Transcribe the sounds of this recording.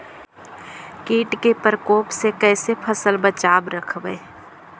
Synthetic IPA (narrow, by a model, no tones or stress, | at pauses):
kiːʈkepəɾkoːpsekɛːsepʰəsəlbət͡ʃaːbɾəkʰʋeː